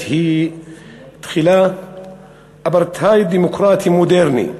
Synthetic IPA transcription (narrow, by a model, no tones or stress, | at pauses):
hi | t̪xilaː | ʔabɑɾˤt̪ʰaːjd̪ːimʊkʰɾˤɑːt̪ʰimʊd̪eɾnḭ